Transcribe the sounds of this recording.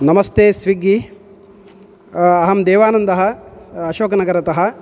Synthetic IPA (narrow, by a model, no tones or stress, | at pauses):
nɐmɐst̪eːsʋiɡi | ɐɦɐmd̪eːʋaːnɐnd̪ɐɦɐːʃoːkɐnɐɡɐɾɐt̪ɐɦɐ̆